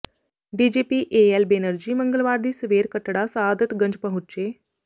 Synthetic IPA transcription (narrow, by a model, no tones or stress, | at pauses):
ɖiːd͡ʑepiːʔeelbenəɾd͡ʑiːməŋɡəlʋaɾd̪iːsʋeːɾkəʈɽasad̪ət̪ɡəɲd͡ʑpəɦut̚t͡ɕe